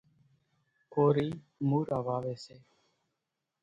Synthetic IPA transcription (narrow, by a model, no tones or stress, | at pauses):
koːɾiː | muːɾʔaːʋaːʋeːseː